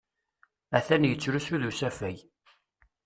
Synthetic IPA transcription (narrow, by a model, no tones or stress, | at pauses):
æθænjət͡sːɾusuðusæfæj